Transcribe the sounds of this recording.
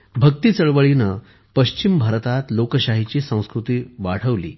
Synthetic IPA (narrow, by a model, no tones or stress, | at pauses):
bʱək̚t̪iːt͡səɭʋəɭinə | pəɕt͡ɕimbʱaɾt̪at̪lokəɕaɦit͡ɕiːsə̃w̃skɾut̪iːʋaɽ̤əʋlḭː